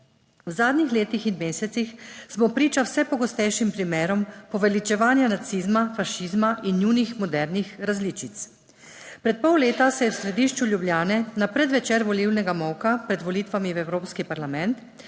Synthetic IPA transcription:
wzaːd̪nixleːt̪ixinmeːsɛt̪sixsmɔpɾiːt͡ʃawsɛpɔɡɔst̪ɛjʃimpɾimeːɾɔmpɔʋɛlit͡ʃɛʋaːnjanat̪sizmafaʃizmaʔinjuːnixmɔd̪ɛɾnixɾazliːt͡ʃit̪s | pɾɛt̪̚pɔwleːt̪asɛjɛwsɾɛd̪iːʃt͡ʃuljubljaːnɛnapɾɛd̪ʋɛt͡ʃeːɾʋɔliwnɛɡamɔwkapɾɛd̪ʋɔlit̪ʋamiwɛwɾoːpskipaɾlamɛnt̪

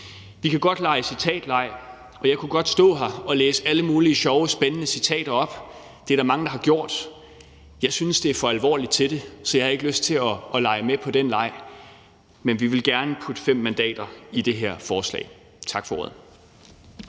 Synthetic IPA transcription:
ʋikʰæɡ̥ɒ̽d̥lɑ̈ɪəsit͡sʰɛ̰ːd̥lɑ̈ɪ̰ | ɒ̽jɑ̈ɪkʰuɡ̥ɒ̽d̥sd̥ɔ̰̽ːɦɑɒ̽leːsəæləmuːliəɕɒʊsb̥enənəsit͡sʰɛ̰ːɾ̥ɐɒ̽b̥ | d̥e̝æɐɾ̥ɑmɑ̈ŋəd̥ɑ̈hɑ̈ɡ̥jo̝ɐ̰d̥ | jɑ̈ɪsynsd̥e̝æɐfɒ̽ælʋɒ̰ːlid̥t͡sʰe̝d̥e̝sɒ̽jɑɪhɑ̈e̝ɡ̥løsd̥̚t͡sʰe̝ɒ̽ʔɒ̽lɑ̈ɪəmepʰɒ̽d̥enlɑ̈ɪ̰ | menʋiʋe̝lɡ̥æɐnəpʰud̥əfem̰ːænd̥ɛ̰ːd̥ɐid̥e̝ɦeɐ̰fɒːslɛ̰ɪ | t͡sʰɑ̈ɡ̥fɒ̽o̰ɐð̩ˠ

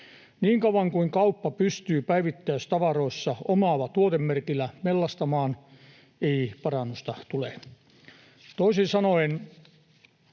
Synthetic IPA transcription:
niːŋkɑuʋɑŋkuiŋkɑupːɑpyst̪yːpæiʋit̪ːæyst̪ɑʋɑroisːɑomɑlːɑt̪uot̪emːerkilˑːæmelːɑst̪ɑmɑːn | eipɑrɑnːust̪ɑt̪ule | t̪oisinsɑnoin

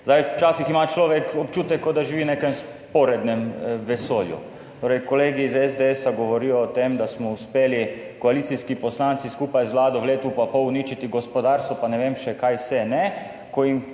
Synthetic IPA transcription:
zd̪ajt͡ʃaːsiximat͡ʃlɔːʋɛkɔpt͡ʃuːt̪ɛkːɔd̪aʒiʋinekɛms | pɔɾɛd̪nɛmʋɛsoːljṵ | t̪oːɾɛjkɔleːɡizɛzd̪eɛsaɡɔʋɔɾiːjɔːt̪emd̪asmɔuspeːlikɔaliːt̪siskipɔslaːnt̪siskuːpajzʋlaːd̪ɔʋleːt̪upapɔwniːt͡ʃit̪iɡɔspɔd̪aɾst̪ɔpanɛʋemʃɛkajsɛnɛ | kɔim

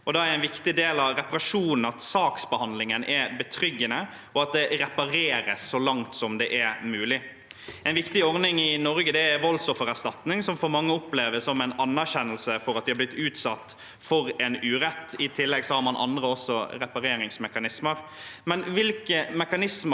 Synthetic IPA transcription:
ɔd̪ɑæɾɛɪnʋɪkt̪ɪd̪eːlɑʋɾɛpɑɾɑʂuːnn̩ɑt̪sɑːksbəhɑnd̪lɪŋənʔɛbət̪ʰɾʏɡːənə | ɔɑt̪̚d̪ɛɾɛpɑɾeːɾəsːɔlɑŋt̪sɔmd̪ɛʔæɾmʉːlɪ | ɛɪnʋɪkt̪ɪɔɾnɪŋɪnɔɾɡəd̪ɛæʋɔlsɔfɔɾæst̪ɑt̪nɪŋsɔmfɔɾmɑŋːəɔpleːʋəsɔmɛɪnɑnːæɾɕɛnːəlsəfɔɾɑt̪̚d̪ɪhɑɾblɪt̪ːʉːt̪sɑt̪ː | fɔɾɛnʉːɾɛt̪ːɪt̪ʰɪlːɛɡsɔhɑɾmɑnʔɑ̰nd̪ɾəɔsɔɾɛpɑɾeːɾɪŋsmɛkɑnɪsməɾmɛnʋɪlkəmɛkɑnɪsmə

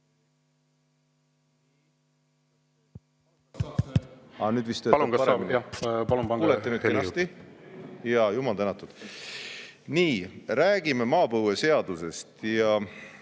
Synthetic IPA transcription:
ɑnyːd̪vist̪øːɑlunkɑɑmnɑpɑlumpɑuːlet̪ːenyːt̪kenɑst̪i | jɑjumɑlt̪ænːɑt̪ːˑud̪̥ | niːɾæːɡ̥ime̞mɑːpɤwese̞ɑd̪use̞st̪jɑ

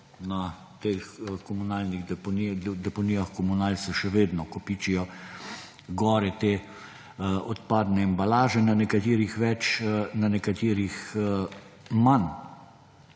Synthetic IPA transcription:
na | t̪eːxkɔmunaːlniɣɛpɔnid̪ɛpɔniːjaxkɔmunaːlsɛʃɛʋeːd̪nɔkɔpiːt͡ʃijɔ | ɡɔːɾɛt̪eː | ɔt̪paːd̪nɛɛmbalaːʒɛnanɛkat̪iːɾixʋɛt͡ʃnanɛkat̪iːɾix | man

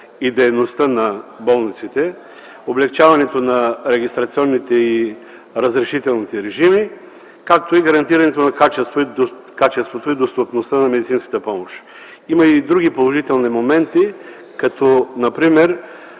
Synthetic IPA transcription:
id̪ɛjnost̪ənɐbɔlˠnit̪sit̪ɛ | oblɛkt͡ʃavɐnɛt̪onɐɾɛɡʲist̪ɾɐt̪siɔnːit̪ɛi | ɾɐzɾɛʃit̪ɛlˠnit̪ɛɾɛʒimi | kak̚t̪oiɡɐɾɐnt̪iɾɐnɛt̪onɐkat͡ʃɛst̪voi | kat͡ʃɛst̪vot̪oid̪ost̪opnost̪ənɐmɛd̪it̪sinskət̪əpɔmoʃ | imɐid̪ɾuɡ̟ipolˠoʒit̪ɛlˠnimomɛnt̪i | kɐt̪ɔnɐpɾimɛɾ

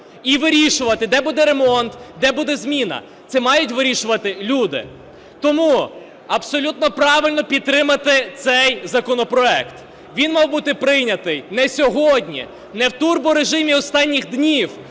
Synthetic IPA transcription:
iʋɪɾʲiʃʊʋɐt̪ɪd̪ɛbud̪ɛɾe̞mɔnt̪d̪ɛbud̪ɛzmʲinɐ̰ | t̪sɛmɑjʊtʲʋɪɾʲiʃʊʋɐt̪ɪlʲud̪ɪ̰ | t̪ɔmu | ɐbsɔlʲut̪nɔpɾɑʋɪlʲnɔpʲit̪̚t̪ːɾɪmɐt̪ɪt̪sɛjzɐkɔnɔpɾɔɛkt̪ | ʋʲinmɑwbut̪ɪpɾɪjnʲɐt̪ɪjnɛsʲɔɦɔdʲnʲḭ | nɛwt̪urbʊɾe̞ʒɪmʲiɔst̪ɑnʲːixd̪nʲiw

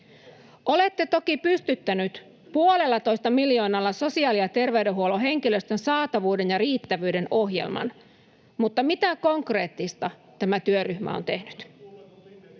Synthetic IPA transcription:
ʔo̞le̞t̪ːe̞t̪o̞kipyst̪yt̪ːænyt̪ | puole̞lːɑt̪o̞jst̪ɑmiljo̞ːnɑlːɑso̞siɑːlijɑt̪e̞rʋewde̞ɦuo̞loɦe̞ŋkilø̞st̪ø̞nsɑːt̪ɑʋuːde̞njɑɾiːt̪ːæʋyːdeno̞ɦje̞̰lmɑ̰n | mut̪ːɑmit̪æko̞ŋkre̞ːt̪ːist̪ɑ | t̪æmæt̪yøryçmæ̰o̰nt̪e̞hnyt̪

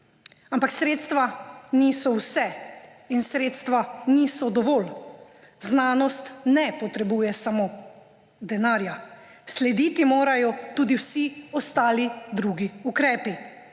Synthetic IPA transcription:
ampaksɾeːt̪st̪ʋaniːsɔwsɛ | insɾeːt̪st̪ʋanisɔd̪ɔʋɔːl | znaːnɔst̪nɛpɔt̪ɾɛbuːjɛsamoː | d̪ɛnaːɾja | slɛd̪iːt̪imoːɾajɔt̪uːd̪iwsiɔst̪aːlid̪ɾuːɡiukɾɛːpi

